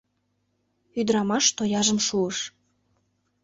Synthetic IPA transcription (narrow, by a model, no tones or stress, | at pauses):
yd̪ɾɑmɑʃt̪ojɑʒəmʃuəʃ